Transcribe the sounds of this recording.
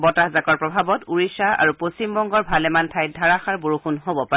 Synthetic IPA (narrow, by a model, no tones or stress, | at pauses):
bɔtahzakɔɹpɹɔbʱabɔtuɹisaa̰ɹuposimbɔŋɡɔɹbʱalɛmantʰajdʱaɹaxaɹboɹuxunɦobɔpa